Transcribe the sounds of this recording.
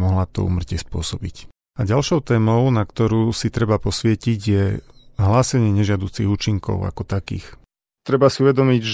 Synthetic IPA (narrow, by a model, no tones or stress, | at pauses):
mɔɦlat̪ɔ̰ṵːmr̩cɪɛspʊɔsɔbic | aɟalʃɔʊt̪ɛːmɔʊnakt̪ɔɾuːsit̪ɾɛbapɔsʋɪɛciɟjɛɦlaːsɛɲɪɛɲɛʒɪad̪uːt͡siɣuːt͡ʃiŋkɔ̰ʊa̰kɔt̪akḭːx | t̪ɾɛbasiuʋɛd̪ɔmiɟ